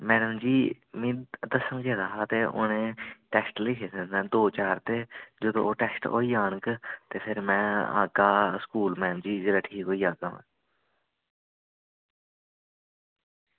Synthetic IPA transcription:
mɛːɖəmd͡ʒiː | mĩːd̪əsənkeːd̪aːɦaːt̪eːʔʊ̰nẽːʈɛːsʈlikʰeːsə̃ɛ̃ːd̪oːt͡ʃaːɾt̪eːd͡ʒod̪õ̰ːoːʈɛːsʈo̰ːiːaːɳkt̪eːpʰɪɾmɛ̃ːa̰ːɡaːskuːlmɛːəmd͡ʒiːd͡ʒəːlaːʈʰiːkɦoːiːaːɡã̰ː

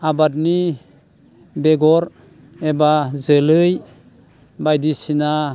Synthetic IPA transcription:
abat̚ni | beɡɔɾ | ebazəlɯj | bajdisina

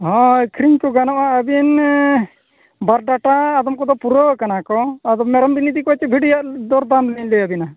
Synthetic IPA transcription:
ɦɔ̃kʰɾiɲkɔɡanɔʔaʔəbin | baɾɖaʈaːd̪ɔmkɔd̪ɔpuɾɔkanakɔːd̪ɔmɛɾɔmbinid̪ikɔt͡ʃɛbʱiɖjaʔd̪ɔɾd̪amlɛɲlɛabina

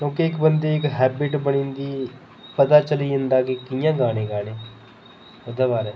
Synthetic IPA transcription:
kjõːkeːkbənd̪eɪkɦɛːbɪʈbəɽ̃iːnd̪iː | pɐt̪at͡ʃəliə̃nd̪aːkikijãːɡaːɽ̃eːɡaːɽ̃eː | ɐd̪abaːɾɛː

